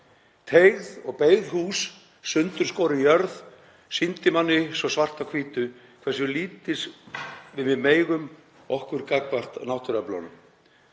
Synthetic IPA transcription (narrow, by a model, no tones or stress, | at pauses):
t̪ʰejɣðɔɣpeːjðhuːsː | ʏnt̪ʏɾ̥skowɾɪnjœɾð | sint̪ɪmanːɪsɔsvar̥t̪akʰviːt̪ʏ | kʰv̥ɛrsʏliːt̪ɪsvɪðmɪðmeːjɣʏm | ɔhkvʏɾkakvar̥t̪nawht̪ʏɾɛpla̰nʏm